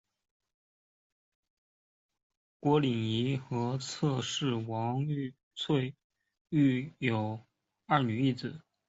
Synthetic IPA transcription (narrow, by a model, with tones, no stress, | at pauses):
kwɔ˧˥li˨˩ŋi˧˥xɤ˧˥t͡sʰɤ˥˧ʂɻ̩˥˩wɑ˧˥ŋ˥˧ | t͡sʰwe˥˧ɪ | y˥˩jo˨˩ʊ | ɐ˞˥˩ny˨˩i˥˩t͡sɹ̩˨˩˦